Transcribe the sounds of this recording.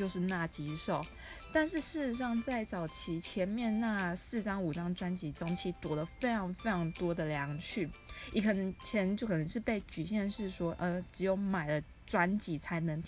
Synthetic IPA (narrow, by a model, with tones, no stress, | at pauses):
t͡ɕjo˥˧ʊʂ̬ɻ̩˥˧na˥˩t͡ɕi˧˥ʂo˨˩ʊ | t̪a˥˧nʂɻ̩˥˧ʂɻ̩˥˩ʈ͡ʂɻ̩˧˥ʂ̬ɑ˥˧ŋt͡sa˥˩ɪt͡sɑ˨˩ʊt͡ɕʰi˧˥t͡ɕʰjɛ˧˥nmjɛ˥˧nna˥˧sɹ̩˥˨ʈ͡ʂɑ˥ŋu˨˩ʈ͡ʂɑ˥ŋʈ͡ʂwa˥nt͡ɕi˧˥ʈ͡ʂo˥ŋt͡ɕʰi˧˥t̪wɔ˨˩lə˨˦fe˥ɪʈ͡ʂʰɑ˧˥ŋfe˥ɪʈ͡ʂʰɑ˧˥ŋt̪wɔ˥d̪ə˨ljɑ˧˥ŋt͡ɕʰy˥˩i˨˩kʰɤ˨˩nə˧˦˥ŋt͡ɕʰɛ˧˥t͡ɕjo˥˩kʰɤ˨nə˧ŋʂɻ̩˥˧pe˥˩ɪt͡ɕy˨˩ɕjɛ˥˧nʂɻ̩˥˩ʂwɔ˥ʔə˧˩ʈ͡ʂɻ̩˨˧˥jo˧˩ʊma˨˩ɪlə˦ | ʈ͡ʂwa˦nt͡ɕi˧˥t͡sʰa˧˥ɪnə˧˥ŋ